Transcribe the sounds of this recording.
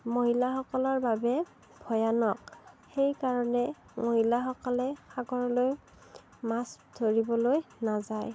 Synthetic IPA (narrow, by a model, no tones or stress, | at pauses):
moɦilaxɔkɔlaɹbabɛ | bʱɔjanɔk̚xejkaɹɔnɛ | moɦilaxɔkɔlɛxaɡɔɹɔloj | masdʱoɹibɔlojnazaj